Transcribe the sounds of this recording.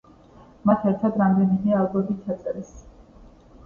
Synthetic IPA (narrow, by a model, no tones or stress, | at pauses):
mat̪ʰɛɾt̪ʰad̪ɾamd̪ɛnimɛaːlˠbɔmd̪it̪ʰt͡ʃʰat̪sʼɛɾɛs